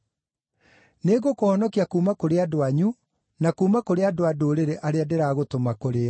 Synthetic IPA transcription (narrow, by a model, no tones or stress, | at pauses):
neːɣokohɔnɔkiakuːmakoɾeadoaɲu | nakuːmakoɾeadoadoɾeɾeʔaɾeadeɾaɣotomakoɾeɔ